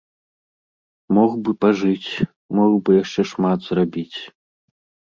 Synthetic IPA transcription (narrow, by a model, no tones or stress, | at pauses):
mɔxbɨpaʐɨt͡sʲ | mɔɣbɨjaʂt͡ʂɛʂmat̪z̥rabʲit͡sʲ